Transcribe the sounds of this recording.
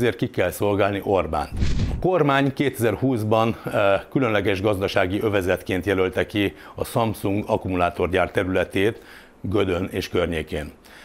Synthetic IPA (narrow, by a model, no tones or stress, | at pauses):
zeːrt̪̚kikɛlso̞lɡaːlniʔo̞rba̰ːnt̪ɒko̞rmaːɲkeːt̪ɛzɛrhuːzbɒnkylø̞nlɛɡɛʒɡɒzd̪ɒʃaːɡiʔø̞vɛzɛt̪keːnt̪jɛlølt̪ɛki | ɒsɒmpsuŋɡɒkumulaːt̪o̞rɟaːrt̪ɛɾylɛt̪eːt̪ | ɡød̪øneːʃkørɲeːkeːn